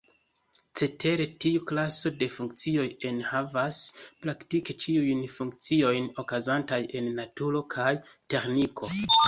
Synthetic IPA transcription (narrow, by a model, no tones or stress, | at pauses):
t͡se̞te̞ɾe̞tiuklaso̞de̞fuŋkt͡sio̞je̞nhavaspɾaktiket͡ʃiujnfuŋk̚t͡sio̞jno̞kazantaje̞nːatuɾo̞kʰajte̞ɾnikʰo̞